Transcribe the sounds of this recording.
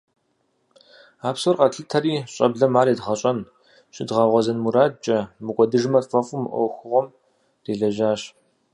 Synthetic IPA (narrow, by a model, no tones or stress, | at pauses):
aːpsorqʼɐtɬɨtʰɐriːɕʼɐ̰bɮɐmaːɾeːdʁɐɕʼɐn | ɕʼɪdʁɑːʁʷɔzɐnmuɾaːd̚t͡ʃʼɐmɨkʷʼɔdɨʐmɐtfʼɐfʼumɨʔʷɔ̰wxʷʊʁʷɔm | reːɮɐʒaːɕ